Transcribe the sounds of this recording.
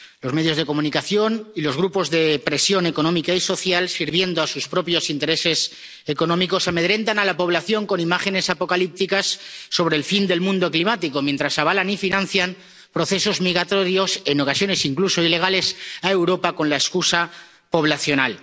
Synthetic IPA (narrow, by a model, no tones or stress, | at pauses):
lo̞zme̞ð̞jo̞zðe̞ko̞mũnikaθjo̞nilozɣ̞ɾupo̞zðe̞pɾe̞sjo̞ne̞ko̞nõmikaiso̞θjalsiɾβje̞nd̪oasuspɾo̞pjo̞sint̪e̞ɾe̞se̞s | eko̞nõ̞miko̞same̞ð̞ɾe̞nt̪analapo̞β̞laθjo̞ŋko̞nimaxe̞ne̞sapo̞kalip̚t̪ikasːo̞β̞ɾeːlfind̪e̞lmũnd̪o̞klimat̪iko̞mjẽnt̪ɾasaβ̞alanifinãn̟θjam | pɾoθe̞so̞zmiɣɾat̪o̞ɾjo̞se̞no̞kasjo̞ne̞siŋkluso̞ile̞ɣ̞ale̞sae̞wɾo̞pako̞nlaeskusa | po̞β̞laθjo̞nal